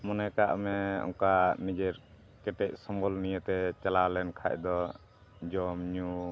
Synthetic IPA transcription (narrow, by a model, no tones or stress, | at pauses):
mɔnɛkaʔmɛɔ̰ŋkanid͡ʒɛɾ | kɛʈɛc̚sɔmbɔlnijət̪ɛt͡ʃalalɛnkʰa̰c̚d̪ɔ | d͡ʒɔmɲu